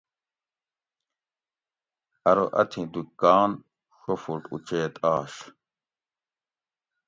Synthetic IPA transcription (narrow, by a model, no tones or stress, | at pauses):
hɐɾoʔɐ̰t̪ʰĩd̪ukkaːn | ʂofuɾʈṵt͡ɕeːt̪aːɕ